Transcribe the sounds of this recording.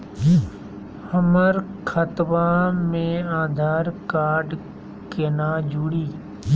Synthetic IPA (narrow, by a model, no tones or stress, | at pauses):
həməɾkʰət̪ʋãːmẽːaːd̪ʱaːɾkaːɾɖ | keːnaːd͡ʒʱuːɽiː